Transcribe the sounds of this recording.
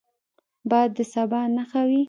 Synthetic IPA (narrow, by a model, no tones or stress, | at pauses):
bɑjad̪ːəsabɑnaxawi